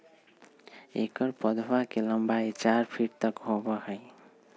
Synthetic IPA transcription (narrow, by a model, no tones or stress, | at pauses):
ḛkəɾpəd̪wakeləmbait͡ʃaɾpʰiʈ̚t̪ʌkɦobʌhəɪ